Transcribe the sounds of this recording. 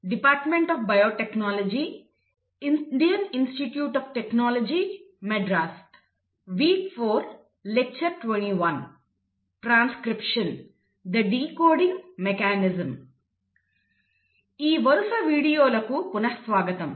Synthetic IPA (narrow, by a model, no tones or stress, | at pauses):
ɖipaːɾʈmeɳʈɐːfbɐjoːʈeknaːlod͡ʒiː | inɖijɐninsʈiʈjuːʈɐːfʈeknaːlod͡ʒiː | meɖɾaːsʈ | ʋiːɡpʰoːɾ | lek̚t͡ʃɐɾʈʋeɳiːʋɐn | ʈɾaːnskɾipʂɐn | d̪ɐɖiːkoːɖiŋɡmekaːnizɐm | iːʋɐɾusɐʋiːɽijoːlɐkupunɐsʋaːɡɐt̪ɐm